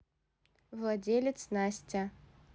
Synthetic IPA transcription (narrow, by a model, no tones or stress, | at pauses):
vlˠadʲelʲɪt̪snasʲtʲa